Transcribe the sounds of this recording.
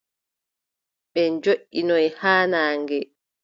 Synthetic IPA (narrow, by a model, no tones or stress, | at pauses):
ɓɛnd͡ʒoʔinɔjhaːnaːŋɡɛ